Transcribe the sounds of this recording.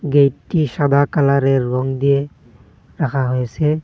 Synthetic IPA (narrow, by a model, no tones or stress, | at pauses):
ɡejtːisad̪akalaɾɛɹːɔŋd̪ije | ɹakʰaɦojsɛ